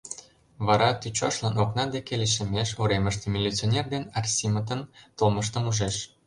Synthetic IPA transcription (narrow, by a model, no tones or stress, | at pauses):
βɑɾɑt̪yt͡ɕɑʃlɑnoknɑd̪ekeleʃ̬ə̆meʃoɾemə̆ʃt̪ĕmʲilʲːit͡sionʲerd̪enɑrsʲimət̪ə̆nt̪olməʃ̬t̪ə̆muʒeʃ